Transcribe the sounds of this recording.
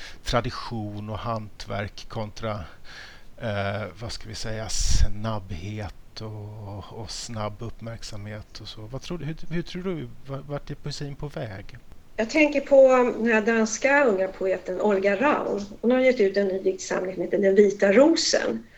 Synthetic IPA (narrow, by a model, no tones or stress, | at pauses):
t̪ʰɾad̪ɪɧuːnɔhant̪ʰvæ̰ɾkʰːɔnt̪ɾa | vaskavɪsɛjːasnabːheːt̪ɔː | snabːɵpːmæɾksamheːt̪ʰɔsɔvat̪ʰɾuːhɵhɵʈʰɾuːɖɵvavaʈːɛpʰʊsiːnpʰɔvɛːɡ | jɑːɡt̪ʰɛŋkəɾpʰɔd̪ɛnæad̪anskaɵŋːapʰʊeːt̪ənɔlɡaɾaʊnhʊnhaɾjɛt̪ːʉ̟ːt̪ɛnːyːvɪk̚t̪sa̰mːɪesɔmheːt̪əd̪ɛnviːt̪aɾuːsə̰n